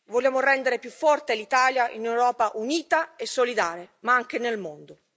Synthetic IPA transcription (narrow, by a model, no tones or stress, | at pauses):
voljaːmorɛnd̪eɾepjufːɔrt̪elit̪aːljaʔḭnewɾɔːpaʔuniːt̪aesːolid̪aːɾemaaŋk̟enelmond̪o